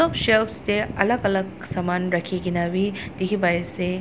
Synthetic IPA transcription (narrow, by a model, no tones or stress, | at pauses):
ɔpʃepsteɐlɐɡɐlɐɡ̚ | sɐmanɾɐkʰiɡinawid̥̪ikʰibajese